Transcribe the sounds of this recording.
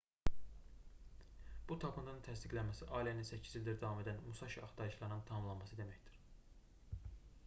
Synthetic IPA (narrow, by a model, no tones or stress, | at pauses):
b̥ut̪ʰɑkund̪ɑnɯnt̪ʰæsd̪iɡlænmæsiʔɑːliæninsæcʰːizilʲd̪æɾd̪ɑvɑmed̪ænmusɑʃiɑ̰χt̪ɑɯʃlˠɑɾɯnɯnt̪ʰɑmɯmlˠɑnmɑsɯd̪e̞mæçd̪i̥ɾ̥